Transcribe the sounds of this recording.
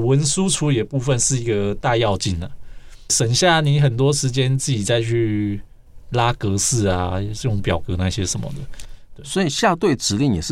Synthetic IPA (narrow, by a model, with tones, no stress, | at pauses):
wə˧˦nsu˦ʈ͡ʂʰu˧˥jɛ˨˩pu˥˧fə˥˧nʂɻ̩˥˩i˧˥ɡə˧t̪a˥˧jɑ˥˧ʊt͡ɕi˥˩nd̪ə˩ʂə˨˩ŋɕja˥˩ni˧˥˦xə˨˩nt̪wɔ˥ʂɻ̩˧˥t͡ɕjɛ˥nt͡s̩˥˩t͡ɕi˨˩t͡sa˥˧ɪt͡ɕʰy˥˧ | la˥kɤ˧˥sɹ̩˥˩a˨jʊ˥˩ŋpjɑ˨˩ʊkɤ˧˥˦na˥˧ɕjɛ˥ʂə˨˦nmə̰˨˩d̪ə˩t̪we˥˩swɔ˧˥i˨˩ɕja˥˧t̪we˥˩ɪʈ͡ʂɻ̩˨˦li˥˩ŋjɛ˨˩ʂɻ̩˥˩